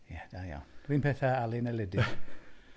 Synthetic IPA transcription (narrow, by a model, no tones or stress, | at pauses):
jɛd̥aja̰wnriːnpʰɛθaalˠinɛlɪdɪ